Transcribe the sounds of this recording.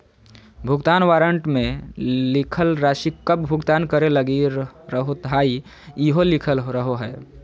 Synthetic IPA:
bʱʊɡt̪aːnʋaːɾəɳʈmẽlɪkʰəlɾaːʃikəbbʱʊɡt̪aːnkəɾeləɡiɾəɦot̪ɦai | iɦolikʰəlɾəɦoɦɛː

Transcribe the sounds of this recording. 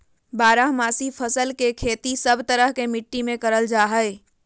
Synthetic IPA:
baːɾaɦmaːsipʰəsəlkekʰeːt̪isəbʱt̪əɾəɦkemɪʈːimẽkəɾəld͡ʒaːɦəɪ

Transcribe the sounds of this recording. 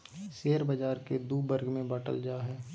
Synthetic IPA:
seːəɾbəd͡ʒaːɾked̪uːbəɾɡmẽbaːʈə̰ld͡ʒaːɦɛː

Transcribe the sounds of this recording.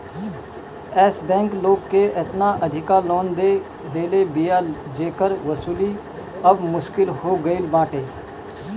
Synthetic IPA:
ɛːsbɛ̃ːŋkloːɡkeːʔɪt̪naːʔəd̪ʱɪkaːloːnd̪eː | d̪eːlebijaːd͡ʒeːkəɾʋəsuːliː | əbmʊʃkɪlhoːɡəɪlbãːʈeː

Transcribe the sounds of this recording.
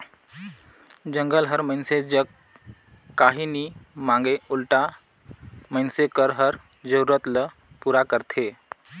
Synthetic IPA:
d͡ʒə̃ŋɡəlɦəɾməinsed͡ʒəkː | aɦinimãŋɡeulʈa | məjnsekəɾɦəɾ | d͡ʒəɾuɾət̪lə | puːɾakəɾt̪ʰe

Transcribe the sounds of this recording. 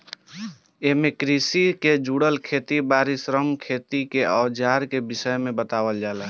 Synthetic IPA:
eːmekɾisiked͡ʒuːɽəlkʰeːt̪ibaːɾisɾəmkʰeːt̪ikeʔɔːd͡ʒaːɾkebɪsəmẽbət̪aːwəld͡ʒaːla

